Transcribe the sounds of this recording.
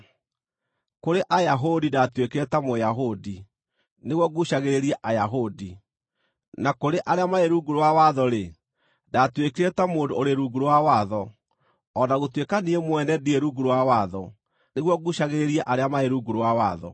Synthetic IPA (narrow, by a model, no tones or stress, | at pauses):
koɾeʔajaɦodidatwekeɾetamojaɦodi | neɣwɔɣuɕaɣeɾeɾiɛʔajaɦodi | nakoɾeʔaɾeamaeɾuɡuɾowawaðɔɾe | datwekeɾetamoːdooɾeɾuɡuɾowawaðɔ | ɔnaɣotwekaniemwɛnɛdieɾuɡuɾowawaðɔ | neɣwɔɣuɕaɣeɾeɾiɛʔaɾeamaeɾuɡuɾowawaðɔ̰